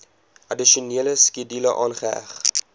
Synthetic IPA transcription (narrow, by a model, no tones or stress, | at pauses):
ʔɐdiʃiuniələskidiləʔɑːnχəæ̰χ